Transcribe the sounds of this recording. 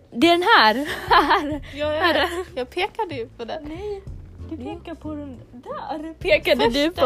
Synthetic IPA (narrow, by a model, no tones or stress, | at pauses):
d̪ɛɖɛnɦæɾhæɾjhaɾjɑːɡ̚pʰeːkad̪əjpʰɔd̪ɛɛd̪eːkapʰɔd̪ɛd̪æɾpʰeːkad̪əd̪ɵpɔ